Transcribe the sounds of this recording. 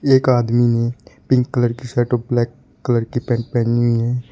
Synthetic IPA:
eːkaːd̪minepɪ̃ŋkːələɾkisɛːʈoblɛːkː | ələɾkipɛ̃ːɳʈ̚pɛ̃ːniiɦɛː

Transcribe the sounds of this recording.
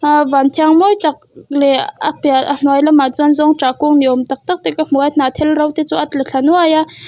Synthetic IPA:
vant̪ʰaŋmojt̪aq̚leapjaʔan̥wajlamat͡sanzoŋʈ͡ʂakoŋniomt̪aq̚t̪əq̚t̪ekəm̥owat̪nat̪ʰelɾəwt̪et͡soʔat̪ləɬʰanuaja

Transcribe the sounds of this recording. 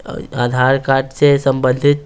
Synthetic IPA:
ad̪ʱaɾkaʈsesəmbənd̪ʱit̪̚

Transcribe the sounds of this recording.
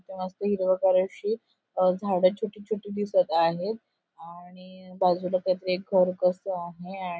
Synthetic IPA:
t̪iməst̪əɦiɾʋəkaɾəɕiː | d͡zʱaɽət͡ɕʰoʈiːt͡ɕʰoʈiːd̪isət̪aɦet̪ | aɽ̃ibad͡zʱulak̪jajt̪əɾiek̚ɡʱəɾkəsəaɦea

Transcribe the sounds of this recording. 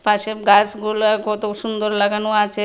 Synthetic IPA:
paʃebɡasɡulaɡɔt̪oʃund̪oɾlaɡanoat͡ɕʰe

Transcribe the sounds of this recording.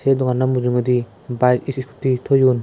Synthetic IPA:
sedɔŋanamuzuŋɯd̪i | bajsisiskʰu̥tːitʰɔjun

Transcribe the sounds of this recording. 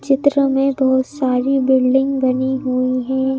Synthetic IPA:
t͡ʃɪt̪ɾəmẽbɔːt̪saːɾibɪlɖɪ̃ŋɡbɐniɦuiɦɛ̃ː

